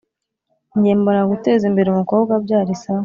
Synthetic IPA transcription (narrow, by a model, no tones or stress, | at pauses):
ɲɟeːmboɾaɡute̞ːzimbe̞ɾeumuko̞ːbɡabɟaːɾisao